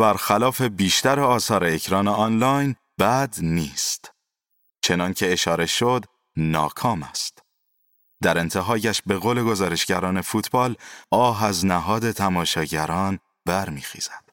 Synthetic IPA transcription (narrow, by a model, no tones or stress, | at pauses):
bæɾxælɒːfe̞biːʃt̪æɾeɒːsɒːɾeːcʰɾɒːneɒːnlɒːjn | b̥æd̪niːst̪ | t͡ʃʰe̞nɒːncʰe̞ːʃɒːɾe̞ʃod̪ | nɒ̰ːkʰɒːmæst̪ | d̪̥æɾe̞nt̪ʰe̞ɦɒːjæʃbe̞ɣoːle̞ɡo̞zɒːɾe̞ʃɟ̥æɾɒːne̞fuːt̪ʰbɒːlɒːɦæznæɦɒːd̪e̞t̪ʰæmɒːʃɒːɟæɾɒːn | bæɾmiːxḭːz̥æd̪̥